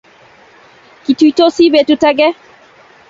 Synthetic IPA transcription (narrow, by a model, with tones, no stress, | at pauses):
ki˨tui˦to˦si˦bɛ˨tu˦ta˦ɡɛ˦